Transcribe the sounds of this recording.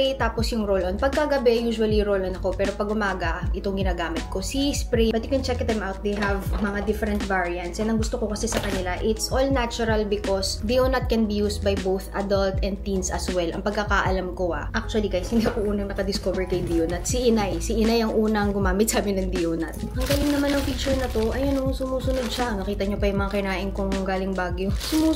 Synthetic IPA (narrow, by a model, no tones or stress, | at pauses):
t̪aːposjʊŋɹolonpɐɡ̚kɐɡɐbɛjuːʃʊɐliɾolʔonɐko̞pɛːɾo̞pɐɡʊmaːɡɐʔɪt̪oŋɡɪnaːɡaːmɪt̪̚ko̞sispɾibɐt̪jʊkɛnt͡ʃɛkɐt̪amʔawt̪̚d̪ejɦɐvmɐŋad̪ɪfɛɾɛnt̪vaɹiɐ̃nt̪sɛnɐŋɡʊst̪okokɐsɛsɐkɐnɪlaʔɪt̪sʔolnat͡ʃʊɾɐlbɪkosd̪ionɐt̪̚kɛnbijuːst̪̚bɐjbowθʔɐd̪ɐlt̪ɛ̃nd̪̚p̪ĩnsɐ̰swɛlʔɐ̰ŋpɐɡkːakaʔɐlamkoa̰ʔak̚t͡ʃʊɐlikajshɪnd̪iɐkoʔuːnɐŋnɐkɐd̪ɪskovɛɹkɐjʊd̪ioːnɐt̪sɪʔɪnajsɪʔɪnajɐŋʔuːnɐŋɡʊmaːmɪt̪̚saːmɪnɐŋd̪iʔonɐt̪̚ʔɐŋɡaːlɪŋnɐmanɐŋfiːt͡ʃʊɹnɐt̪o̞ʔɐjonʊsʊmuːsʊnod̪̚ʃanɐkiːt̪ɐɲopɐjʊŋmɐŋakɪnaːʔɪnkoŋɡaːlɪŋbaːɡjosʊmuː